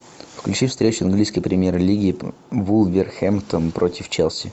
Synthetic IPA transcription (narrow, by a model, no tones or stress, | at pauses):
fklʲʉt͡ɕifst̪ɾʲet͡ɕʊɐnɡlʲijskəjpɾʲɪmʲjerlʲiɡʲɪː | vulˠvʲɪrxɛmt̪ənpɾotʲɪft͡ɕelˠsʲɪ